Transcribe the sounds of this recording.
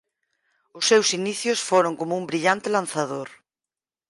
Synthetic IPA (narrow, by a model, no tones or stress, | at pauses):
ʊsːewsiniθjʊsfoɾoŋkomʊumbɾiʎant̪ɪlanθaðoɾ